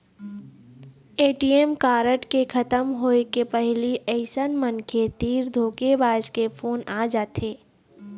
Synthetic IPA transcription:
eːʈiemkaːɾəʈkekʰɐt̪əmɦoːekepɛɦliʔɛɪsənmənkʰet̪iːɾd̪ʱoːkebaːd͡ʒkepʰoːnaːd͡ʒaːt̪ʰeː

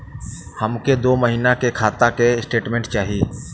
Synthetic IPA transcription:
həmked̪oːməɦiːnakekʰaːt̪akeɪsʈeːʈmẽːɳʈt͡ʃaːɦiː

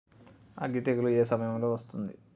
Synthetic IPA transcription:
a̰ɡit̪eɡɐlue̞ːsɐmɐjɐmlo̞ːʋɐst̪und̪i

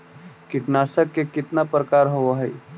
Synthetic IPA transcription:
kɪʈnaːsəkːekɪt̪napɾəkaːɾɦooɦɛj

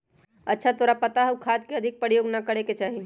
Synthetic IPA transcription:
ɐtːʃʰat̪oːɾapɐt̪aɦɐwkʰaːd̪keɐd̪ʱɪk̚pəɾjoːɡnakɐɽeket͡ʃaːɦi

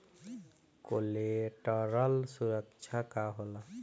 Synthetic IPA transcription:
koleʈəɾəlsuɾəkt͡ʃʰakaɦola

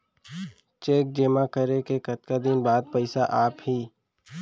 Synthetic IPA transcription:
t͡ʃeːk̚d͡ʒeːmakəɾekekət̪̚kad̪ɪnbaːd̪̚pəɪsaʔaːphiː

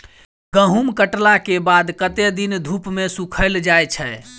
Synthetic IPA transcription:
ɡəɦumkəʈlakebad̪kət̪ed̪ind̪ʱupmesukʰəld͡ʒajt͡ʃʰə

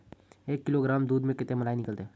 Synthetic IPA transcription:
eːkːɪloɡɾaːmd̪uːd̪mẽkɪt̪ẽmɐlaːinɪkəlt̪eɦː

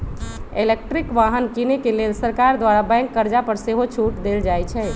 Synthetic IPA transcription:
elek̚ʈɾikʋaɦənkinekelelsəɾkaɾd̪ʋaɾabɛ̃ŋkːəɾd͡ʒapəɾseɦot͡ʃʰuʈd̪eld͡ʒajt͡ʃʰɛ

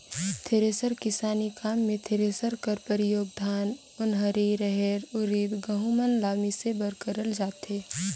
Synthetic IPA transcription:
t̪ʰeɾeːsəɾkɪsaːnikaːmːẽt̪ʰeɾeːsəɾkəɾpəɾijoːɡ̚d̪ʱaːn | ʊnɦəɾiɾəɦɛɾʊɾiːd̪ɡəɦumənlaːmisebəɾkəɾəld͡ʒaːt̪ɦeː

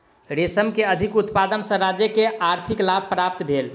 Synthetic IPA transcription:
ɾesəmkeəd̪ʱikut̪pad̪ənsə̃ɾad͡ʒjəkeaɾt̪ʰiklab̚ʱpɾap̚t̪bʱel

